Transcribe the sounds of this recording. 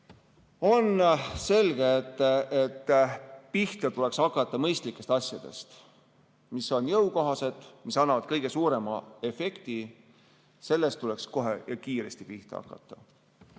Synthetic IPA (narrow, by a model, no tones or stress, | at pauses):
o̞nse̞lɡ̥e̞ːt̪ːet̪ːpiht̪ɑt̪uleksɑkˑːɑt̪ˑːɑmɤjst̪likːˑe̞st̪ɑsʲjɑd̪̥e̞̰st̪ | miso̞njɤwko̞ɦɑse̞d̪̥misɑnːɑvɑd̪̥̚kɤjɡe̞suːɾe̞mɑ̰e̞fe̞kt̪i | se̞lːe̞st̪t̪ːule̞ksko̞ɦe̞̰jɑkiːɾe̞st̪ipiht̪ɑɑ̰kːˑɑ̰t̪ːˑɑ̥